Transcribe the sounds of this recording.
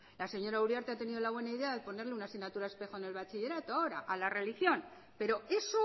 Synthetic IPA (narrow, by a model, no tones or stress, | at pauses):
lase̞ɲo̞ɾawɾjaɾt̪eat̪e̞nið̞o̞laβ̞we̞naiðe̞aðepo̞ne̞ɾleunasiɣnat̪uɾaespe̞xone̞lβ̞at͡ʃiʎe̞ɾat̪oao̞ɾa̰ʔalare̞lixjo̞n | pe̞ɾo̞e̞so